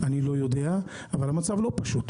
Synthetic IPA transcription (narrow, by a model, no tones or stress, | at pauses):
anilo̞jo̞d̪e̞a | avalamat͡savlo̞paʃut̪